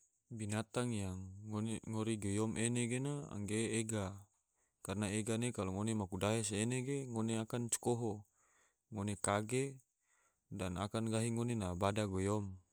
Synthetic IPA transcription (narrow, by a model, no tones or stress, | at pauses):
binat̪aŋjaŋːonŋoɾiɡejɔmʔeneɡenaa̰ŋɡeːɡa | karnaeɡanekaloŋonemakudaɦeseːneɡeŋoneakant͡ʃu̥koɦo | ŋonekaɡe | dana̰kanɡaɦiŋonenabadaɡojɔm